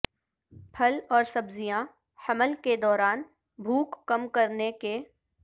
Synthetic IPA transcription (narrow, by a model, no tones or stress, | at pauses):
pʰɐlɔːɾsɐbzijã | hɐməlked̪ɔːɾaːn | bʱuːkːɐmkɐɾneke